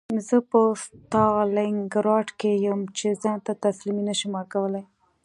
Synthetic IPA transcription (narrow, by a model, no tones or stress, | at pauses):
zəpəst̪ɑlɪŋɡɾɑʈkejəmt͡ʃezɑnt̪at̪asliminəʃimakawəlaj